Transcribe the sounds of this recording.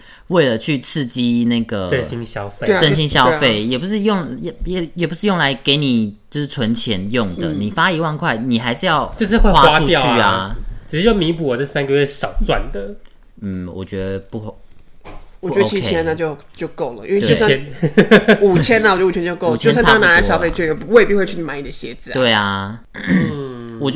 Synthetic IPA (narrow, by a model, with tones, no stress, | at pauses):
we˥˩ɪlə˩t͡ɕʰy˥˨˧t͡sʰɹ̩˥˧t͡ɕi˥na˥˩ɪɡə˩ə˥˧nɕi˦˥ŋɕjɑ˦ʊfe˥˨˥ʈ͡ʂə˥˧ɕi˥nɕjɑ˦ʊ˧fe˥˨˩ɪjɛ˨˩pu˧˥ʂɻ̩˥˧jo˥˨ŋ˨jɛ˨˩jɛ˨˩pu˧˦ʂɻ̩˥jo˥˩ŋla˧˦ɪke˧˥ɪni˨˩t͡ɕjo˥˧ʊʂ̩˥˩t͡sʰwə˧˦nt͡ɕʰjɛ˧˦njɔ˥˩ŋdj̪ə̰˩ni˨˩fa˦˥i˧˥wa˥˧nkʰwa˥˩ɪni˨˩xa˧˥ɪʂɻ̩˥˧jɑ˥˩ʊt͡ɕo˥˧ʊʂ̬ɻ̩˥˧xwe˥˧wa˥a˥i˥jt͡ɕy˥˩a˨˦ʈ͡ʂ̩˨˩ʂɻ̩˥˩jo˥˩mi˧˦p̬u˨ɔ˨˩t͡sə˥˩sa˥˦nɡə˨˧ɥɛ˥˩ʂɑ˨˩ʊt͡swa̰˥˨nd̪ə˩ | n̩˨˩wɔ̰˨˩t͡ɕɥɛ˧˦d̪ə˧pu˥˧ | wɔ˨˩t͡ɕɛ˧˥də˧˥i˧˥ii˧˥a˧˦na˥˧˩t͡ɕjo˥˧ʊt͡ɕjo˥˧ʊko˥˩ʊlə˩i˥we˥˧we˥˩˥ɛ˦n | u˨˩t͡ɕʰjɛ˥na˨wɔ˨˩˨u˨˩ɛ˧nt͡ɕjo˥˧ʊko˥˨ʊ˨t͡ɕʰjʊ˥nsn˥na˧˥la˧˩ɕjɑ˥fe˥˧ɪt͡ɕy˥˩jɔ˨˩˧we˥˧pi˥˧˥we˥˧ɪt͡ɕʰy˥ni˨ma˨˧ɪni˨˩ə˦ɕjɛ̰˧˥˦d͡zɹ̩˨˦t̪we˥˩ɪa˨˩ | wɔ˨˩